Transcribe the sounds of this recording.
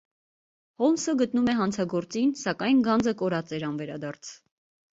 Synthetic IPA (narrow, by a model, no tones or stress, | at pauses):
hɔlnsəɡət̪numɛɦɑnt͡sʰɑɡɔɾt͡sinsɑkɑjnɡɑnd͡zəkɔɾɑt͡sɛɾɑnvɛɾɑd̪ɑɾt͡sʰ